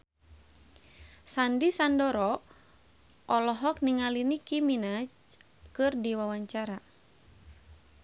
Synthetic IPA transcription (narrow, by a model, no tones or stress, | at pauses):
sandisandɔɾɔ | ʔɔlɔɦɔk̚niŋalinikiminad͡ʒ | kɨrdiwawaɲt͡ʃaɾa